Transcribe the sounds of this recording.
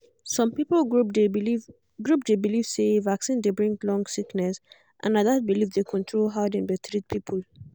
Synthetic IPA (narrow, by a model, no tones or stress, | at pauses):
sɔ̃mpiplɡupde | ɡɹupdebiliv̥sevaksĩndebɹĩŋɡlɔ̃ŋɡsiknɛs | ʔã̰naðabilifdekʰɔ̃ntʰɹolɦaʊdãnbitʰɹit̚pʰipʰəl